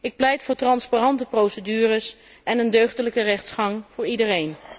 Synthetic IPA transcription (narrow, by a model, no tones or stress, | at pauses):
ɪk̚plɛjtfʊːɹtrɑnsparɑntəprowsədyːrəs | ɛnəndøɥχdələkərɛχtsχɑŋv̥ʊːɹidərejn